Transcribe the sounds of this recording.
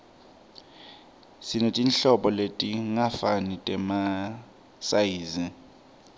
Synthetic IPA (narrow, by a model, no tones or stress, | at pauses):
sinetʼinɬɔɓɔletʼiŋafanitʼɛma | sajiːzi